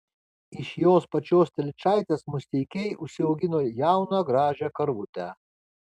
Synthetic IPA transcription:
ɪʃjoːspɐt͡ʃʲoːst̪ʲɛlʲt͡ʃʲɑˑɪt̪ʲesmʊsʲt̪ʲɛɪkʲɛɪʔʊʃʲsʲɪɒʊɡʲɪnoːjæˑʊnɑːɡɾɑːʒʲækɐɾʋʊt̪ʲæˑ

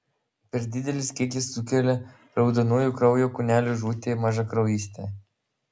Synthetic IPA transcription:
pʲɛɾd̪ʲɪd̪ʲɛlʲɪskʲiɛkʲɪsːʊkʲɛlʲe | ɾɒʊd̪ɐnuːjuˑkɾɐʊjoːkʊnʲæːlʲʊʒuːt̪ʲeːmɑʒɐkɾɐʊjiːsʲt̪ʲeː

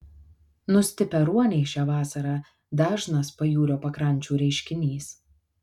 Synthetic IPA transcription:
nʊsʲt̪ʲɪpʲɛɾuɔnʲɛɪʃʲæːʋɑːsɐɾɑː | d̪ɑːʒnɐspɐjuːɾʲoːpɐkɾɐnʲˑt͡ʃʲuːɾʲɛɪʃʲkʲɪnʲiːs

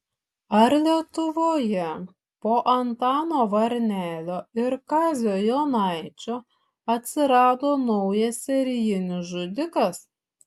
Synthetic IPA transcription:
ɐɾlʲiɛt̪ʊʋoːjɛ | poːʔɐnt̪ɑːnoːʋɐɾʲnʲæːlʲoːɪɾkɑːzʲoːjoːnɑˑɪt͡ʃʲoː | ɐt̪ʲsʲɪɾɑːd̪oːnɒʊjɛsʲsʲɛɾʲjɪnʲɪsʒʊd̪ʲɪkɐs

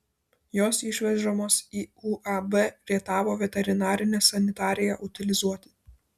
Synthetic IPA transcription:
joːsɪʃʲʋʲɛʒomoːsiːuːʔɐbɛʋʲiɛt̪ɑːʋoːʋʲɛt̪ʲɛɾʲɪnɑːɾʲɪnʲɛːsɐnʲɪt̪ɑːɾʲɪjɛʔʊt̪ʲɪlʲɪzuɔt̪ʲɪ̥ː

